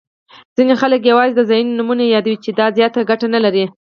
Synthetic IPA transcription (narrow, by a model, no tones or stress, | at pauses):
d͡z̥inexalək̬jawɑzed̪əzɑjunnumunajɑd̪awit͡ʃed̪ɑzjɑt̪aɡaʈanalaɾi